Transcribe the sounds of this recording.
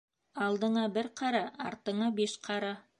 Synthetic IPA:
ɑlˠd̪ɤ̆ɴɑbɘɾqɑɾɑʔɑ̰ɾt̪ɤ̆ɴɑbiʃqʰɑɾɑ

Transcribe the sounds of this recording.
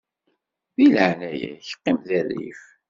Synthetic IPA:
ðiləʕnæjæ̰çə̥qːɪmðæɾḭf

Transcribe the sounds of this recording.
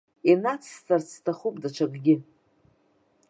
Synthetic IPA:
inat͡sʰstʰart͡sʰtʰaχupʼdat͡ʃʷʰaɡʼɡʲɪ

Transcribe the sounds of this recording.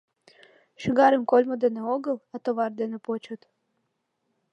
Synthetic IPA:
ʃiɡɑɾəmkolʲmod̪eneoɣɤ̆lˠɑt̪oβɑrd̪enepot͡ɕə̆t̪

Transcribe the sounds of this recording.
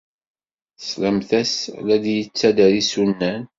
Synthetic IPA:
θsləmθæslæd̪jət͡sːæd̪æɾisunːæn

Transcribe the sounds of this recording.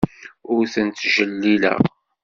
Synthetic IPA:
ʊɾθənt̪ːʒəlːilæ̰

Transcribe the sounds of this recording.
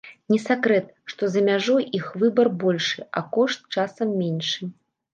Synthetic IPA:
nʲɛsʲakɾɛt̪̚ | ʂt̪ɔzɐmʲaʐɔjixvɨbɐrbɔlʲʂɨʔɐkɔʂt̪̚t͡ʂasɐmːʲenʲʂɨ

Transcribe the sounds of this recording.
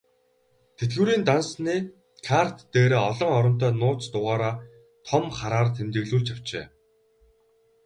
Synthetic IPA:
t̪ʰet̪ɣŭːɾiːnt̪ansniː | kʰar̥t̪ːeːɾeːɔɮɞ̆ŋɔɾɞ̆n̥t̪œːnʊːt͡st̪ʊʁaːɾaː | t̪ʰɔmχaɾaːrt̪ʰemt̪ɘ̆ɣɮuːɮt͡ɕaw̥t͡ɕḛː

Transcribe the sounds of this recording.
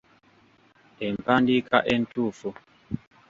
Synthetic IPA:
ɛmpandika̰ʔen̩tufu

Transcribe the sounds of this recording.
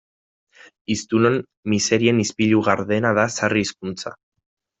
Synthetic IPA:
ist̪unon | mise̞ɾie̞nispiʎuɣaɾðe̞naðasariːskunt͡sa̰

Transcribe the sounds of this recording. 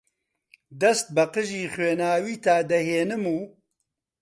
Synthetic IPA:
d̪ɐst̪̚bɐqɨʒiːxweːnaːwiːt̪aːd̪ɐɦeːnɨmuː

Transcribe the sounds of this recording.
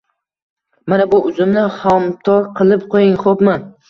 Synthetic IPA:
manabʊʔʊzɪmnɪhɒmt̪ʰɒɾqʰɨlˠɪp̚qʰojɪŋχopman

